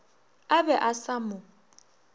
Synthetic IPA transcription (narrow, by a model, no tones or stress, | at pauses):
abɛʔasamʊ